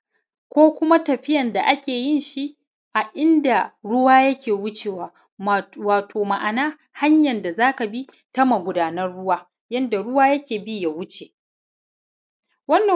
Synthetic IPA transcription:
kʷoː˦kʷʊ˦ma˦tɐ˨ɸɪ˦jɐ˨nda˨ʔa˦kʲeː˨jɪ˦nʃi˦ | ʔa˨ʔɪ˦nda˨ɽʊ˦waː˦jɐ˦kʲeː˨wʊ˦t͡ʃeː˨waː˨ | waː˨tʰoː˨ma˨ʔa˨naː˦ | ha˦ɲjɐ˨nda˨zaː˦ka˨bi˦ | tɐ˦mɐ˨ɡʷʊ˦daː˦nɐ˦rɽʊ˦waː˦ | jɐ˦nda˨ɽʊ˦waː˦jɐ˦kʲeː˨bi˦ja˨wʊ˦t͡ʃe˨ | wɐ˦nːɐ˨

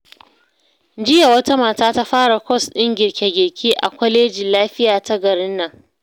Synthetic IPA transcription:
d͡ʒɪ˦ja˨wɐ˦ta˦maː˨taː˦ta˦ɸaː˦ɽa˨kʷɔ˦˨sɗɪ˦ŋɡʲɪ˨ɽkʲe˨ɡʲɪ˨rkʲʰiː˦ʔa̰˨kʷɔ˦leː˦d͡ʒɪ˨laː˦ɸɪ˦jaː˨ta˦ɡɐ˨ɽɪ˦nːa˨ŋ

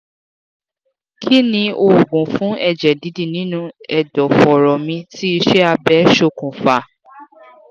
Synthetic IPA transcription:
kʰi˦nĩ˧o˨ɡũ˨fũ˨˦ʔɛ˦˨d͡ʒɛ˨di˨˦di˦˨nĩ˨˦nũ˦ɛ˨dɔ˨fɔ˨ɾɔ˨mĩ˧ti˦i˧ʃɛ˦a˧bɛ˨˦ʃo˧kũ˨fa˨

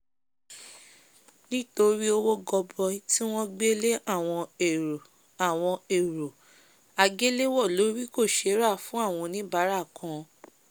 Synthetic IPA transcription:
nĩ˦to˧ɾi˦o˦wo˦ɡɔ˧bɔ˧˦ti˦w̃ɔ̃˦ɡ͡be˦le˦a˦˨w̃ɔ̃˧e˨ | a˨w̃ɔ̃˧e˨ɾo˨ | a˧ɡe˦le˦wɔ˦˨lo˨˦ɾi˦ko˦˨ʃe˧˦ɾa˦˨fũ˨˦a˦˨w̃ɔ̃˧nĩ˦ba˨˦ɾa˦˨kã˨˧

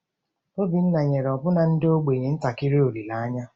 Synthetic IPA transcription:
o˦bi˨n̩˦na˨ɲe˨ɾɔ˨bʊ˦na˨n̩˦do˦ɡ͡be˨ɲe˨n̩˦ta˨kɪ˦ɾe˦o˨ɾi˨la˨˦a˦ɲa˦

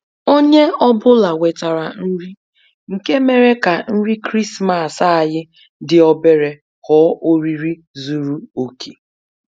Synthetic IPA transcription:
o˦ɲe˦ɔ˦bʊ˦la˨we˨ta˨ɾa˨n̩˦ɾi˦ | ŋ̩˨ke˦me˨ɾe˦ka˨n̩˦ɾi˦kɾi˦sma˦˨sa˦a˨jɪ˦ | dɪ˨ɔ˦be˦ɾe˨ | hɔ˨˦ʔo˦ɾi˦ɾi˦ | zu˦ɾu˦o˨kʰe̥˨

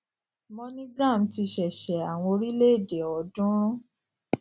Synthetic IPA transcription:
mɔ̃˧nĩ˦ɡɾã˦˨m˨ti˧ʃɛ˨ʃɛ˨a˨w̃ɔ̃˧o˧ɾi˦le˦e˦˨de˨ɔ˨˦dũ˦ɾ̃ũ˦

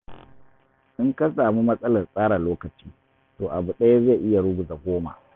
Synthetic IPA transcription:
ʔɪ˦ŋka˦saː˨mu˦mɐ˦sʼɐ˦lɐ˨rsʼaː˦ɽa˨loː˦kɐ˨t͡ʃiː˦ | toː˨ʔa˨bu˨ɗɐ˦ja˦za˦˨ʔɪ˦ja˨ɽʊ˦ɡʊ˨za˨ɡʷoː˦ma̰˨ʔ

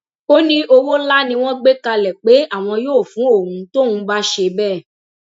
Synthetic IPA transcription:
o˦nĩ˦ʔo˧wo˦la˦nĩ˧w̃ɔ̃˦ɡ͡be˦ka˧lɛ˨k͡pe˨˦a˦˨w̃ɔ̃˧joː˦˨fũ˨˦o˦˨ũ˨˧to˦˨ũ˨˦ba˦ʃe˧bɛ˦˨

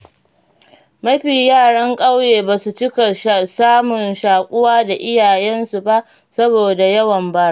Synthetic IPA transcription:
mɐ˦ɸiː˨jaː˦˨ɽɐ˦ŋkʼa˦wjeː˨baː˨su˨t͡ʃɪ˦ka˨ʃsaː˦mʊ˨nʃaː˨kʷʼʊ˦waː˦da˨ʔɪ˦jaː˨jɛ˦nsu˨ba˦ʔ | sɐ˦boː˨da˨jɐ˦wɐ˨mba˦ɾa˦˨

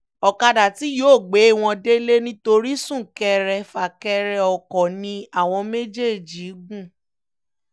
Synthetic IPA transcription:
ɔ˨ka˧da˨ti˨˦joː˦˨ɡ͡be˨˦˨w̃ɔ̃˧de˦le˦nĩ˦to˧ɾi˦sũ˦˨kɛ˧ɾɛ˧fa˨kɛ˧ɾɛ˧ɔ˨kɔ˨nĩ˧a˦˨w̃ɔ̃˧me˦d͡ʒe˦˨d͡ʒi˨˦ɡ͡bũ˦˨

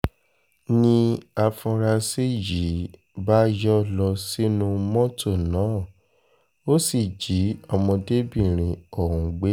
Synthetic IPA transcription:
nĩ˧a˧fɔ̃˧ɾa˧se˦ji˨˦ | ba˦jɔ˦lɔ˧si˦nũ˧mɔ̃˦to˦˨nãː˨˦˨ | o˦si˦˨d͡ʒi˨˦ɔ˧mɔ̃˧de˦bĩ˦˨ɾ̃ĩ˨ɔ˨ɦũ˧ɡ͡be˦

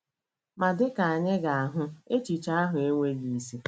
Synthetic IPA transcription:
ma˨dɪ˦ka˨a˨ɲɪ˦ɡa˨a˨ɦʊ˦e˦t͡ʃi˨t͡ʃa˦a˦ɦʊ˨e˦ŋʷe˦ɡi˦˨˦si˦

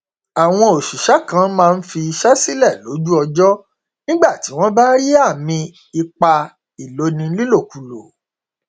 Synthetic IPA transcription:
a˨w̃ɔ̃˧o˨ʃu˨ʃa˦kã˨˦mãː˦˧n̩˦fi˧i˧ʃa˦si˦lɛ˦˨lo˨˦d͡ʒu˦ɔ˧d͡ʒɔ˦ | nĩ˦ɡ͡ba˦˨ti˨˦w̃ɔ̃˦ba˦ɾi˦a˦˨mĩ˧ | i˧k͡pa˧ | i˨lo˨˦nĩ˧˦li˦lo˦˨ku˨lo̰˨

